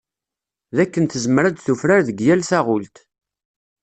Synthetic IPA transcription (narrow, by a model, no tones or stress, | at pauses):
ðækːənθəzəməɾæd̪θufɾaɾðəɡjælθæʁʊlt̪